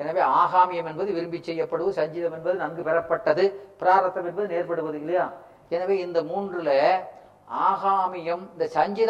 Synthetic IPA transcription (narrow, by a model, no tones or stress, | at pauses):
ɛnɐʋeːaːɣaːmɪjɐmɛnbɐðɯʋɪɾɯmbɪt͡ʃːɛjːɐpːɐɽɯʋsɐɲd͡ʒɪðɐmɛnbɐðɯnɐŋɡɯpɛɾɐpːɐʈːɐðɯpɪɾaːɾɐt̪ːɐmɛnbɐðɯneːɾpɐɽɯʋɐðɯɪlːɐjaː | ɛnɐʋeːɪnd̪ɐmuːndrɪlɐ | aːɣaːmɪjɐmɪnd̪ɐsɐɲd͡ʒɪð